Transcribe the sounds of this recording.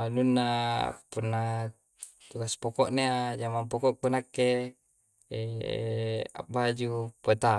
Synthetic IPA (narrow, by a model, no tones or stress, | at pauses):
alunːa̰punːa | t̪ukaspokɔʔnead͡ʒamampokɔʔpunakːe | ḛ | a̰bad͡ʒupot̪a